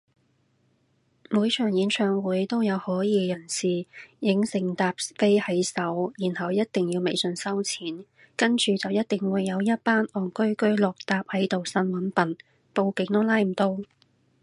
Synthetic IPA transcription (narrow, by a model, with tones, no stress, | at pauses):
muː˨˧jt͡ʃʰœː˨˩ŋjiː˨˧nt͡ʃʰœː˨˧ŋwuː˨˥jt̪o˥wjɐ˨˧whɔː˨˥jiː˨˧jɐ˨˩nsiː˨˩jɪ˨˥ŋsɪ˨˩ŋt̪aː˧p̚fe˥jhɐ˨˥jsɐ˨˥wjiː˨˩nhɐ˨wjɐ˥t̚t̪ɪ˨ŋjiː˧wme˨jsɵ˧nsɐ˥wt͡sʰiː˨˥n | kɐ˥nt͡ʃyː˨t͡sɐ˨wjɐ˥t̚t̪ɪ˨ŋwuː˨˧jːɐ˨˧wjɐ˥t̚paː˥nɔː˨˩nkɵ˥ɥkɵ˥ɥlɔː˨k̚t̪aː˧p̚hɐ˨˥jt̪o˨wsɐ˧˥nwɐ˨˥npɐ˨n | po˧wkɪ˨˧ŋt̪ɔ˥laː˥jm̩˨˩t̪o˥w